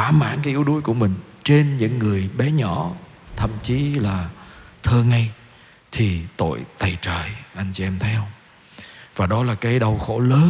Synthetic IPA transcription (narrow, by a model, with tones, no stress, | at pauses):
aː˧˩ma̰ː˧˥˨ŋkaː˨˦jʔi˨˦əwɗu˨˦jku˧˩əmï˨˩ŋ̟ | t͡ɕe˧nɲɨ̰˧˥ŋːɨ˨˩əjɓɛ˨˦ɲɔ˧˩ | t̪ʰə̰˧˨mt͡ɕi˨˦laː˨˩t̪ʰəː˧ŋa˧j | t̪ʰi˨˩t̪o̰˧˨jt̪a˨˩jt͡ɕəː˨˩jʔa˧jŋ̟t͡ɕi˧ʔɛ˧mt̪ʰə˨˦jə˧wŋ͡m | vaː˨˩ɗɔ˨˦laː˨˩kaː˨˦jɗə˨˧˩wxo˧˩ləː˨˦